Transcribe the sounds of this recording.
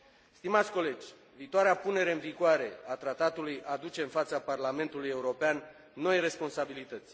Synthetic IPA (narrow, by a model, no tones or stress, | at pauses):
st̪imat̪sʲko̞le̞d͡ʒʲ | viːt̪oaɾeapune̞ɾe̞ɨnviɡoaɾe̞at̪ɾat̪at̪ulujad̪ut͡ʃe̞ɨnfat̪saparlame̞nt̪uluje̞uɾo̞peanː | o̞jre̞spo̞nsabilit̪ət̪sʲ